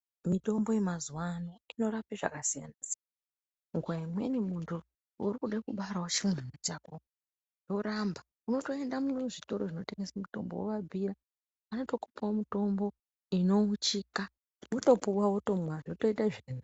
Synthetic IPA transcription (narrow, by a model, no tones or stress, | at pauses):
mito̞mbo̞je̞mazuwanoino̞ɾapiʐa̰kasija̰nasa | ŋɡuwaimwe̞̰nimuntu | ṵɾikuɗaikuɓaɾawot͡ʃimenat͡ʃako | jo̞ɾamba | uno̞to̞e̞ndamunʐito̞ɾo̞ʐino̞te̞ŋɡesamuto̞̰mbowo̰ʋab͡vʱiɾa | ano̞to̞ku̥pawomito̞mbo̞ | ino̞ut͡ʃika | uto̞puwawoto̞mwaʐoto̞itaʐinu